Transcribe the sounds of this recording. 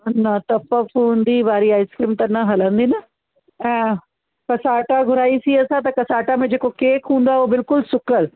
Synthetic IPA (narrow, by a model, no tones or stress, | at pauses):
nat̪əpəfuːnd̪iːbaːɾiːaːɪskɾiːmt̪ɐnːãɦələ̃nd̪iːnə | ɛ̃ː | kəsaːʈaɡʱʊɾaːiːsiːəsãːt̪ãkəsaːʈamẽd͡ʒeːkokeːkɦũːnd̪aːoːbɪlkʊlsʊkəɾ